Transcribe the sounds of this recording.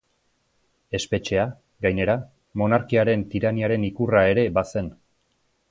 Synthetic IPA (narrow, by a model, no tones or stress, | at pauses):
e̞spe̞t͡ʃe̞a | ɡajne̞ɾa | mo̞naɾkiaɾe̞nt̪iɾaniaɾe̞nikurae̞ɾe̞base̞n